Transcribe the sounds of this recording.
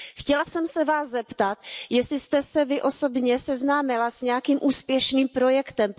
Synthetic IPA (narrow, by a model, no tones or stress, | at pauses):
xcɛlasɛmsɛvaːszɛpt̪at̪jɛsɪst̪ɛsɛvɪʔo̞so̞bɲɛsɛznaːmɪlasɲɛjakiːmʔuːspjɛʃniːmpɾo̞jɛkt̪ɛm